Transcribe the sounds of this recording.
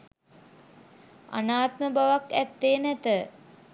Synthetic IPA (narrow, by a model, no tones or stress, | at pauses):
a̰naːt̪məbaʋakæt̪ːeːnæt̪ə